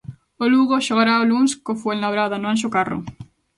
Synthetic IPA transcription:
oluɣoʃoɣ̞aɾaolunskofwelnaβɾaðanoãnʃ̬okaro̰

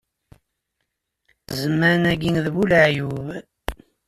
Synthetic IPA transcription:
zəmːæɾnæɡinðbuləʕjuv

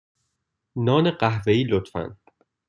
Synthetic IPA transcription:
nɒːneɢæɦveiːlot̪fæ̰n

